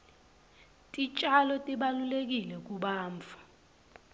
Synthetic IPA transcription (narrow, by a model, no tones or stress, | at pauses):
tʼit͡ʃʼalɔtʼiɓalulek̬ilɛk̬ʼuɓaːɱfḁ